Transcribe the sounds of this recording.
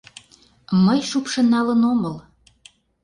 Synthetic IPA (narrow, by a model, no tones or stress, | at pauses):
məjʃupʃɤ̆nːɑlənomɤl